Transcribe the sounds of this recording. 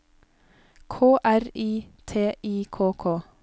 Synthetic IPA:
kʰoːʔæɾiːt̪ʰeːʔiːkʰoːkʰoː

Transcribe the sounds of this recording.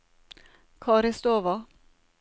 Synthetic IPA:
kʰɑɾɪst̪oːʋɑ

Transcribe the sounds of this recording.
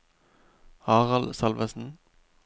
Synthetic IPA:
hɑːʁɑlsɑlʋəsn̩

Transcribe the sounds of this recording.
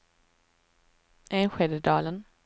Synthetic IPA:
ʔeːnɧɛd̪əɖɑːlən

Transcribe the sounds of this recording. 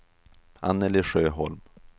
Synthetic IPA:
a̰nːəlɪʂøːɦɔlm

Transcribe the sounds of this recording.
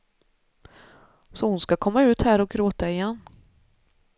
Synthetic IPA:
sɔhʊnskakʰɔmːaʉ̟ːt̪hæːɾɔk̚ɡɾoːt̪aɪjɛnː

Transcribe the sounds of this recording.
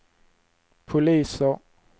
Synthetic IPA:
pʰʊliːsə

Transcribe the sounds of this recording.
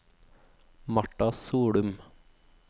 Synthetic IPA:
mɑʈɑsuːɽʉm

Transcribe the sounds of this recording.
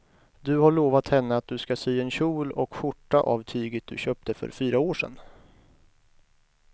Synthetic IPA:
d̪ɵhaɭoːvat̪hɛnːəat̪̚d̪ɵskasyːɛnɕuːlɔkɧʊʈːaʔa̰vt̪ʰyːɡət̪̚d̪ɵ̰ɕœːp̚t̪əfœ̰ɾfyːɾaoːʂɛ̰n

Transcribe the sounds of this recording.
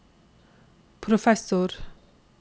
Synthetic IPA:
pʰɾʊfɛsʊɾ

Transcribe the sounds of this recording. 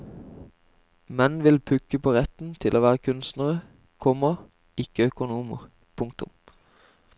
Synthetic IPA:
mɛnʋɪlpʰʉkəpʰoːʁɛt̪n̩t̪ʰɪloːʋæːʁəkʰʉnst̪nəʁə | kʰɔməʁ | ɪkəœkʊnuːmə̰ʁ | pʰʊŋk̚t̪ʊ̰m

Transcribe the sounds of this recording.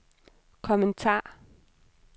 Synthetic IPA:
kʰɔmənt͡sʰɑ̰̈ː

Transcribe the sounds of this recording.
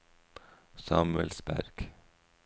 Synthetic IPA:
sɑmʉɛlsbæɾɡ̥

